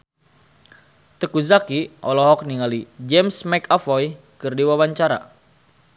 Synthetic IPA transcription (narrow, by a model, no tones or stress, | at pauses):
t̪əkuzakiʔɔ̰lɔɦɔk̚niŋalid͡ʒɛmsmɛkafɔj | kɨrdiwawaɲt͡ʃaɾa̰